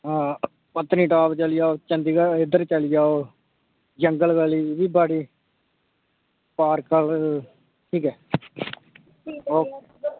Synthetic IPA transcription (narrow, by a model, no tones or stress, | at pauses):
ɦãː | pət̪ːniːʈaːbt͡ʃəliːd͡ʒaːoːt͡ʃə̃nd̪iːɡaɪd̪əɾt͡ʃəliːd͡ʒaːoː | d͡ʒəŋɡəlɡaliːʋiːbaːɽiː | paːɾkəl | ʈʰiːkɛː | oː